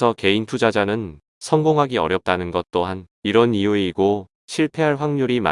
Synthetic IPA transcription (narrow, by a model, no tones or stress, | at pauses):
ʌke̞intʰud͡ʑad͡ʑanɯn | sʰʌŋɡoŋɦaɡiʌ̰ɾjʌp̚t͈anɯnɡʌt̚t͈oɦan | iɾʌnijueiɡo | ɕʰiɭpʰe̞ɦaɭɸwaŋɲuɾima̰